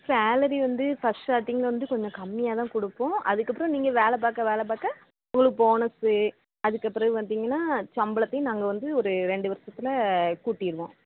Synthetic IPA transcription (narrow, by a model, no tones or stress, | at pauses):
saːlɐɾiʋɐnd̪ɯfɐsʈaːʈːɪŋɡɐʋɐnd̪ɯkɔɲd͡ʒɔ̃kɐmːɪjaːt̪ãːkɔɽɯpːõːɐðɯkːɐpːɯɾɔ̃niːŋɡɐʋeːlɛp̬aːɾkːaʋeːlɛp̬aːkːa | ʊŋɡɐɭɯkːɯpoːnɐsɯ | ɐðɯkːɐpːɯɾɐʋɐnd̪iːŋɡɐnːaːt͡ʃɐmbɐɭɐt̪ːɐɪj̃naːŋɡɐʋɐnd̪ɯɔɾɯɾɛɳɖɯʋɐɾsɐt̪ːɪlɐkuːʈːɪjɪɾɯʋõː